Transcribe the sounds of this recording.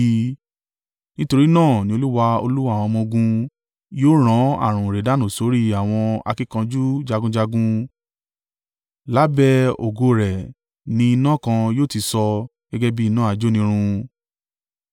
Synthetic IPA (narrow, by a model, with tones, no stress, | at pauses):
nĩ˦to˧ɾi˦nãː˦˨nĩ˧o˧lu˦wa˧o̰˧lu˦wa˦˨w̃ɔ̃˧mɔ̃˧ɡũ˧ | joː˦ɾ̃ã˨˦a̰˦˨ɾ̃ũ˨ɾɛ˨da˨˦˨nũ˨so˨˦ɾi˦a˨w̃ɔ̃˧a̰˧ki˦kã˧d͡ʒu˦d͡ʒa˧ɡũ˦d͡ʒa˧ɡũ˦ | la˦bɛ˧o̰˨ɡo˧ɾɛ˨ | nĩ˧i˧nã˦kã˧joː˦˨ti˧sɔ˧ | ɡ̥ɛ˦ɡɛ˦bi˦i˧nã˦a˧d͡ʒo˦nĩ˧˦ɾ̃ũ˧